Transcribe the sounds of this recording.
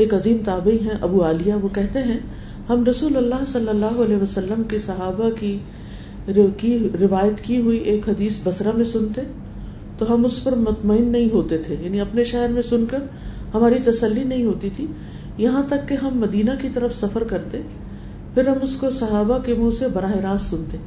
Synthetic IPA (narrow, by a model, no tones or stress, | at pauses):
eːkɐziːmt̪aːbɐiɦɛ̃ʔɐbuaːlɪjaʋokɛɦt̪eɦɛ̃ | hɐmɾɐsuːlɐlːaːɦsɐlːɐlːaːɦoɐleːɦʋɐsɐlːəmkesɐɦaːbaki | kiɾɪʋaːjət̪kiɦʊiʔeːkɦɐd̪iːsbɐsɾamẽsʊnt̪e | t̪oɦɐmʊspɐɾmʊt̪məɪnːɐɦĩɦoːt̪et̪ʰejaːniɐpneʃɛɦɾmẽsʊnkɐɾ | hɐmaːɾit̪ɐsəlːinɐɦĩɦoːt̪it̪ʰi | jɐɦãt̪ɐkːeɦɐmːɐd̪iːnakit̪ɐɾəfsɐfəɾkɐɾt̪e | pʰɪɾɦɐmʊskosɐɦaːbakemũsebɐɾaːɦɪɾaːsːʊnt̪e